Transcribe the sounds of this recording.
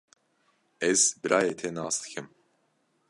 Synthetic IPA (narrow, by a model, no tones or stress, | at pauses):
ɛzbɨɾʔaːjeːt̪ʰenaːsd̪ɨ̥kʰɨm